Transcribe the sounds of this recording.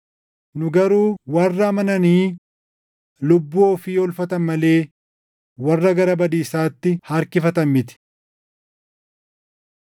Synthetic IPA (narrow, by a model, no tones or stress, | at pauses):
nʊɡɐɾuːwɐrːɐmɐnɐniː | lʊbːoːfiːɔlfɐt̪ɐnmɐle̞ː | wɐrːɐɡɐɾɐbɐd̪iːsaːt̪ːɪhɐɾkɪfɐt̪ɐmːɪt̪ɪ̥